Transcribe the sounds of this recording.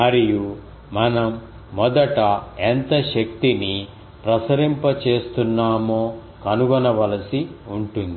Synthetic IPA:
mɐɾiju | mɐnɐmː | ɔd̪ɐʈɐent̪ɐʃɐk̚t̪ini | pɾɐsɐɾimpɐt͡ʃe̞ːst̪unːaːmoː | kɐnuɡɐnɐʋɐlɐsiuɳʈund̪i

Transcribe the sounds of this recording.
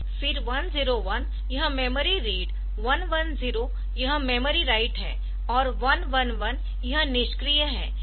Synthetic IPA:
fɪɾʋɐnziːɾoʋɐn | jɐɦə̃meːməɾiɾeːɖ | ʋɐnʋɐnziːɾo | jɐɦə̃meːməɾiɾaːɪʈɦɛ̰̃ː | ɔːɾʋɐnʋɐnʋɐn | jɐɦə̃nɪʃkɾijəɦɛ̰̃ː

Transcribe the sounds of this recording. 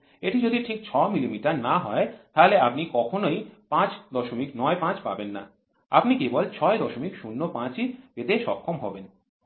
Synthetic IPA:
eʈid͡ʑod̪ʱiʈʰik̚t͡ɕʰɔmilimiʈaɾnaɦɔet̪aɦoleapnikɔkʰonojpãt͡ɕd̪ɔʃomiknɔepãt͡ɕpabenːa̰ | a̰pnikebolt͡ɕʰɔed̪ɔʃomikʃunːopãt͡ɕibet̪eʃɔkʰːomɦɔben

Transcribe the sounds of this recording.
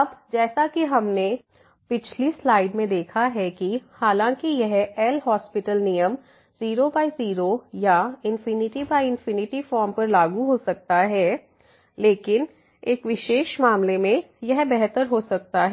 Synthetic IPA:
ɐbd͡ʒɛːsakiɦɐmne | pɪt͡ʃʰlislaːɪɖmẽd̪eːkʰaɦɛkihaːlãːkijɛɦɛːlɦɔːspɪʈəlnijəm | z̥iːɾobaːiziːɾojaɪ̃nfɪnɪʈibaːiɪ̃nfɪnɪʈifɔːɾmpɐɾlaːɡuɦosɐk̚t̪aɦɛː | leːkɪn | eːkʋɪʃeːʃmaːmlemẽ | jɛɦbɛɦt̪əɾɦosɐk̚t̪aɦ

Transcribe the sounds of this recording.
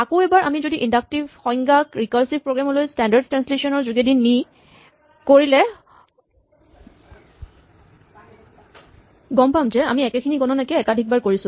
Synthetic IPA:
akoɛbaɹʔa̰mizodiʔindak̚tibxɔjŋɡakɹikaɹsib̚pɹoɡɹamɔlojstɛndaɹd̚tɹanslesɔnɔɹzuɡedinːi | koɹilɛ | ɡɔmpamzɛamiɛkɛkʰiniɡɔnɔnakɛɛkadʱik̚baɹkoɹisʊ̃

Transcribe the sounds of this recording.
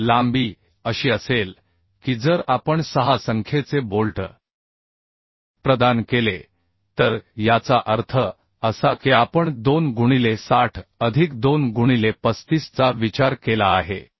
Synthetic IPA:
lambiː | əɕiːəsel | kid͡zəɾapəɳsəɦasəŋkʰjet͡sebolʈə̰ | pɾəd̪ankele | t̪əɾjat͡saʔəɾt̪ʰə | əsakiapəɳd̪onɡuɽ̃ilesaʈʰəd̪ʱikd̪onɡuɽ̃ilepəst̪ist͡saʋit͡ɕaɾkelaːɦḛ

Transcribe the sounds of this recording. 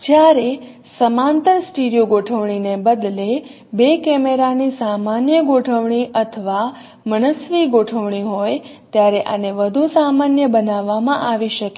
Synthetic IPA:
d͡ʒjaɾe | səmãnt̪əɾsʈiɾijoɡoʈʰəʋɳ̃inebəd̪le | bekɛmeɾanisamanjəɡoʈʰəʋɳiʔət̪ʰəʋa | məɳəsʋiɡoʈʰəʋɳ̃iɦojt̪jaɾeʔa̰neʋəd̪ʱusamanjəbənaʋːamãʔaʋiʃəke

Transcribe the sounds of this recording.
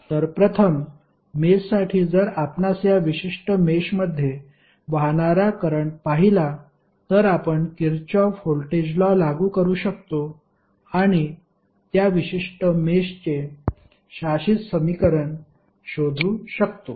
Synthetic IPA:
t̪əɾpɾət̪ʰəmː | essaʈʰiːd͡zəɾapnasjaʋiɕiʂʈəmeɕməd̪ʱːje | ʋaɳaɾakəɾəɳpaɦila | t̪əɾapəɳkiɾt͡ɕɔfolʈed͡ʑlɔlaɡuːkəɾuːɕək̚t̪o | aɽ̃i | t̪jaʋiɕiʂʈəmeɕt͡ɕe | ɕaɕit̪səmikəɾəɳ | ɕod̪ʱuːɕəkt̪o

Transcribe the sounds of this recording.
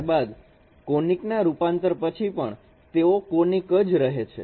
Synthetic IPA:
ɾbad̪ | koniknaɾupãnt̪əɾpət͡ʃʰipəɳ | t̪eokonikəd͡ʒɾəɦet͡ʃʰḛ

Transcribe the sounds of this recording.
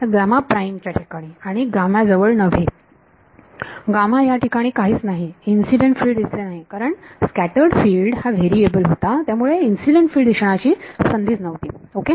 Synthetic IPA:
taɡɾamapɾaimt͡ɕjaʈʰikaɽ̃iaɽ̃iɡamjad͡zəʋəɭnəʋ̤e | ɡamajaʈʰikaɽ̃iːkaɦiːt͡snaɦiinsiɖeɳʈfiːlɖd̪islenaɦikaɾəɳskæʈəɾɖfiːlɖhaʋeɾiebəlɦot̪at̪jamuɭeinsiɖeɳʈfiːlɖd̪iɕɳ̃at͡ɕiːsənd̪iːd͡znəʋt̪iːoke

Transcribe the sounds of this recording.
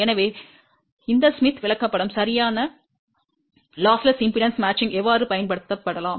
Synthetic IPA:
ɛnɐʋeː | ɪnd̪ɐsmɪt̪ʰːʋɪɭɐkːɐpːɐɽɐmsɐɾɪjaːnɐ | laːslɐsɪmpɪlɐnsmaːt͡ʃːɪŋɡɛʋːaːɾɯpɐjɐnpɐɽɯt̪ːɐpːɐɽɐlãːm

